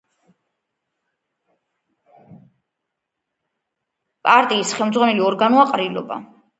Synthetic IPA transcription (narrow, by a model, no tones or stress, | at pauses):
pʼaɾt̪ʼiːsχɛlmd̪zʁwanɛliɔɾɡanuaqʼɾilɔ̰ba̰